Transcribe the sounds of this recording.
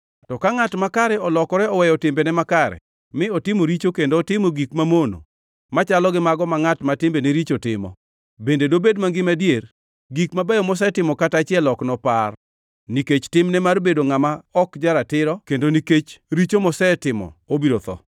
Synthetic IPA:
tɔkaŋatmakaɾɛɔlɔkɔɾɛɔwɛjɔtɪmbenɛmakaɾɛ̰ | mɪɔtɪmoɾit͡ʃokendoːtɪmoɡikmamono̰ | mat͡ʃalɔɡɪmaɡɔmaŋatmatɪmbeneɾit͡ʃotɪ̰mɔ̰ | bendedobedmaŋɡɪmadjer | ɡikmabajɔmɔs̬ɛtɪmɔkatat͡ʃɪɛlɔknɔpar | niket͡ʃtɪmnɛmarbedoŋamaɔkd͡ʒaɾatɪɾɔkendoniket͡ʃɾit͡ʃomɔsɛtɪmɔ̰obiɾot̪ɔ̰

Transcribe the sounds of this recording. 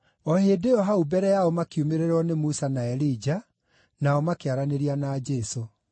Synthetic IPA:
ɔhedeɔɦaubɛɾɛjaɔmakiumeɾeɾɔnemusanaɛɾid͡ʒa | naɔmakeaɾaneɾianaːd͡ʒɛso

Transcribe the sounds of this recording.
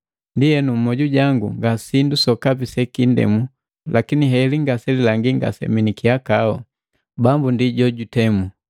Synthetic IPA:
ndijɛnum̩mɔɟuɟaŋɡṵŋɡasindusɔkapisɛkindɛ̰mu | lakiniɦɛliŋɡasɛlilaŋɡiŋɡa̰sɛ̰minikiakaɔ | bambundiɟɔɟutɛmu

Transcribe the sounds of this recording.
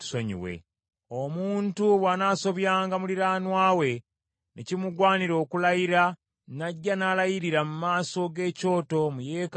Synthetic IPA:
soɲḭwḛ | omuːntuβwanaso̞βjaːŋɡamuliɾaːnwaːwe̞ | nʔecimuɡwaːniɾo̞ːkulajiɾa | naɟːanalajiɾiɾamumaːso̞ɡe̞ːco̞ːto̞mujek

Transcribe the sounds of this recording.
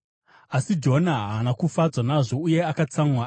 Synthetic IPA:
asid͡ʒo̞naɦaːnakufad͡zwanaʐo̞uje̞akat͡saŋwa

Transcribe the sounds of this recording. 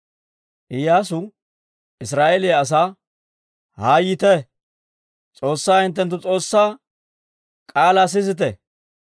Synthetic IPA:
ʔɪjaːs̬ʊ | ɪs̬ɾaːʔeleɐs̬aː | haːjɪt̪ɛ | t͡sʼo̞ːsːaːhɪnt̪̬ːɛnt̪̬ːʊt͡sʼo̞ːsːaː | kʼaːlas̬ɪzɪt̪̬ɛ

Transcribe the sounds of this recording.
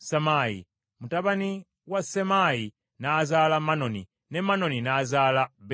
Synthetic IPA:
samaḭ | mutaβani | wasɛmai | naːzalamanɔnḭ | nɛmanɔninaːzalab

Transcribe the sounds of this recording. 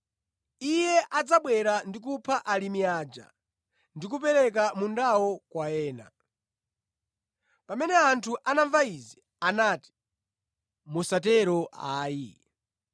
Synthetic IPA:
ijɛʔad͡zaɓwɛɾandik̬upʰaʔalimiad͡ʒa̰ | ndikupɛɾɛk̬amundawɔkwaɛːna̰ | pamɛnɛantʰuʔanaɱvaizi | anaːti̥ | musatɛɾɔʔaːi

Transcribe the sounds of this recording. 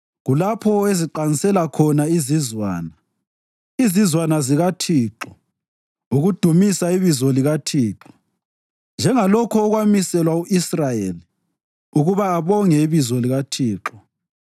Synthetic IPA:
ɣulapʰɔeziǃanisɛlakʰɔnaizizwa̰ːna | izizwanaziɣatʰiːǁɔ | uɣud̥ʱumisaiβizɔliɣatʰiːǁɔ̥ | nd͡ʒʱɛŋalɔkʰɔːɣwamisɛlwauisrajeli | uɣuβaːβɔŋɛiβizɔliɣatʰiːǁɔ

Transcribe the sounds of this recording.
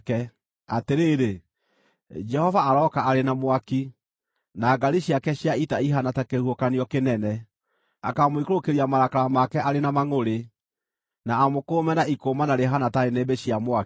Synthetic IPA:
kɛ | ateɾeːɾe | d͡ʒɛhɔvaːɾɔkaːɾenamwaki | naːɡaɾiɕjakɛɕjaitaiɦanatakehuokaniɔkenɛnɛ | akamoikoɾokeɾiamaɾakaɾamakɛʔaɾenamaŋoɾe | naːmokoːmɛnaikomanaɾeɦanataɾenebeɕiamwa

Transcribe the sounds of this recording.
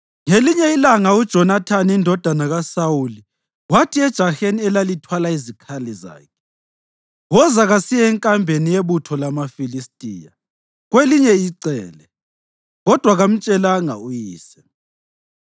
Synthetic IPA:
ŋeliɲɛilaŋaud̥ʒ̥ʱɔnatʰaniindʱɔd̥ʱanaɣasawuli | watʰiɛd̥ʒ̥ʱaxeniɛlalitʰwalaizikʰaliza̰ːkʰɛ̥ | wɔzaɣasijɛɛŋkʼambʱenijeβutʰɔlamafilistʼiːja̰ | ɣweliɲɛiǀɛːlɛ | ɣɔd̥ʱwaɣam̩t͡ʃʼɛlaŋa̰ujiːsɛ̥

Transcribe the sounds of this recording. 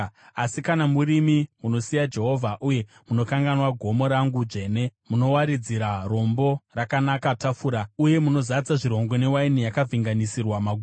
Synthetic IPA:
asikanamuɾimimuno̞sijad͡ʒe̞ɦo̞vʱaʔuje̞muno̞kaŋɡanwaɡʱo̞mo̞ɾaŋɡud͡ʒe̞ːne̞muno̞waɾid͡ziɾaro̞mbo̞rakanakatafuːɾauje̞muno̞zat͡saʐiɾo̞ŋɡo̞ne̞wainijakaviŋɡanisirwamaɡʱu

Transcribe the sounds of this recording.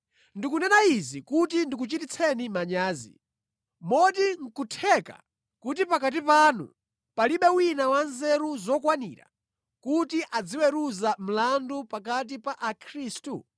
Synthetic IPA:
ndikunɛnaizikutindik̬ut͡ʃitit͡sʰɛnimaɲaːzḭ | mɔdiŋ̩kutʰɛka̰ | kut̬ipakat̬ipaːnṵ | paliɓɛwinawanzɛɾuzɔkwanḭːɾa̰ | kutiʔad͡ziwɛɾuzam̩landupak̬at̬ipaʔakʰɾiːstu

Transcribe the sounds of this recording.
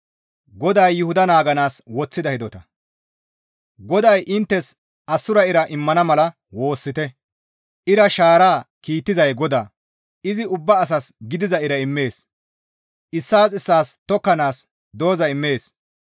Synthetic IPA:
ɡɔd̪ɐjːʊhʊd̪ɐnaːɡɐnaːswɔt͡sːɪd̪ɐhɪd̪ɔt̪ɐ | ɡɔd̪ɐjʔɪnt̪ːɛs | ʔɐsːʊɾɐɪɾɐʔɪmːɐnɐmɐlɐ | wo̞ːsːɪt̪ɛ | ʔɪɾɐʃaːɾaːkiːt̪ːɪzɐjɡɔd̪aː | ɪzɪʊbːɐːs̬ɐsɡɪd̪ɪzɐɪɾɐɪmːe̞ːs | ʔɪsːaːsɪsːaːst̪ɔkːɐnaːs | d̪o̞ːzɐɪmːe̞ːs

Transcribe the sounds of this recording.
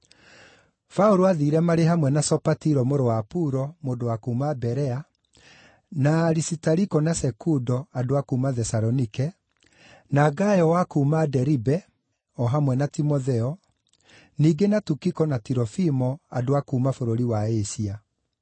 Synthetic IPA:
fauɾoaðiːɾɛmaɾeɦamwɛnasɔpatiɾɔmoɾowapuɾɔmoːdowakuːmabɛɾɛa | naɾisitaɾikɔnasɛkudɔadoakumaðɛsaɾɔnikɛ | naɡajɔwakuːmadɛɾibɛ | ɔɦamwɛnatimɔðɛɔ | niːɡenatukikɔnatiɾɔfimɔadoakuːmafoɾoɾiwaesia

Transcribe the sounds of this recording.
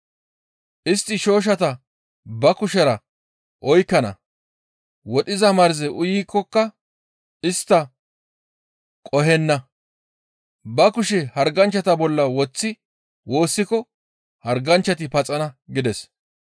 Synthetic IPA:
ʔɪst̪ːɪʃo̞ːʃ̬ɐt̪ɐ | bɐkʊʃɛɾɐ | ʔɔjkːɐnɐ̰ | wɔɗɪzɐmɐɾzɛʔʊjiːkːɔkːɐ | ɪst̪ːɐ | kʼɔɦɛnːɐ | bɐkʊʃɛhɐɾɡɐnt͡ʃːɐt̪ɐbɔlːɐwɔt͡sːɪ | wo̞ːsːɪkɔ | hɐɾɡɐnt͡ʃːɐt̪̬ɪpɐt͡sʼɐnɐɡɪd̪ɛs

